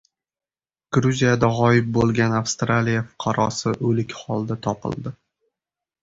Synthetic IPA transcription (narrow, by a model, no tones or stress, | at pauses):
ɡ̥ɾuzijad̪aʁɒjɪp̚bolˠɡʲanafst̪ɾalijafʊ̥qʰɑɾɒsɪʔɵlɪkʲhɒlˠd̪at̪ʰɒpʰɪ̰lˠd̪ɪ